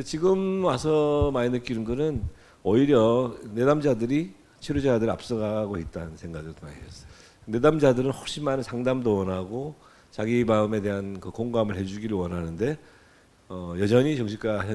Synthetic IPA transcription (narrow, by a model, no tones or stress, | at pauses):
et͡ɕiɡɯmwasʰʌmainɯk͈inɯnɡɯnɯn | ʌiɾjʌne̞damd͡ʑadɯɾi | t͡ɕʰeɾod͡ʑadɯɾɭa̰p̚s͈ʌɡaɡoit̚t͈annsʰe̞ŋɡaɡɯɭtʰoaɲeʌs͈ | ne̞damd͡ʑadɯɾɯnɸok̚ɕ͈imanɯnsʰaŋdamdowʌnɦaɡo | t͡ɕaɡimaɯme̞de̞ɦankɯkoŋɡamɯɭhe̞d͡ʑuɡiɾɯɭwʌnɦanɯnde̞ | ʌjʌd͡ʑʌɲit͡ɕʌŋɕʰik͈aɕʰʌ